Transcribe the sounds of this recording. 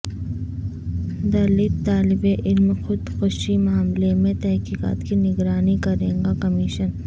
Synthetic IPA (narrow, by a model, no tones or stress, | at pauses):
d̪ɐlit̪aːlɪbeʔɪlmxʊd̪xʊʃimaːmlemẽt̪ɛɦkiːqa̰ːt̪kinɪɡɾaːnikɐɾẽːŋɡakɐmiːʃən